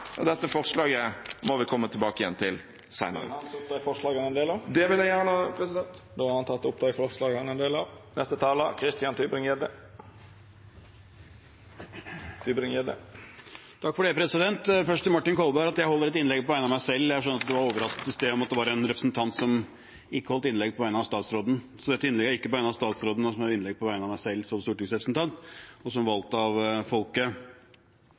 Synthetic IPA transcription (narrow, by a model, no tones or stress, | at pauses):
ɔd̪ɛt̪ːəfɔɾʂlɑːɡəmɔʋɪkʰɔmːət̪ʰɪlbɑːkəɪjɛ̰nt̪ʰɪl | sæɪnə̰ɾəʊp̚t̪ɑːɡfɔʂlɑːɡənɛnd̪eːlɑʋd̪ɛʋɪljæɪjæɳəpʰɾɛsɪd̪ɛnt̪d̪oːɑhɑnt̪ʰɑt̪ːɔpd̪ʰɑːɡfɔlɑːɡɑnɛnd̪eːlɑʋnɛst̪ət̪ʰɑːləkʰɾɪst̪ɪjɑnt̪ʰybɾɪŋɛd̪ə | t̪ʰybɾɪŋjɛd̪ə̰ | t̪ʰɑkːfɔɖeːpʰɾɛsɪd̪ɛnt̪fœʂt̪əmɑʈːɪnkʰɔlbæɾɑt̪jæɪhɔlːəɾɛt̪ɪnlɛɡpʰɔʋæɪnɑmæɪsɛlːjæʂønəɾɑt̪̚d̪ɛʋɑɾoːʋəɾɑskə̥t̪ɪst̪eːɔmɑt̪̚d̪ɛʋɑɾɛnɾɛpɾə̥snt̪ʰɑnt̪sɔm | ɪkːəhɔlt̪ɪnlɛɡ̚pʰɔʋæɪnɑʋst̪ɑːt̪sɾoːd̪n̩ | sɔd̪ɛt̪ːɪnlɛɡæɾɪkːəpɔʋæɪnɑst̪ɑːt̪sɾoːd̪n̩ɔsɔmhɑɪnlɛɡ̚pʰɔʋæɪnɑʋmæɪsɛlːsɔmst̪uːʈɪŋsɾɛpɾəsn̩t̪ɑnt̪ɔsɔmʋɑlt̪əɑʋfɔlkə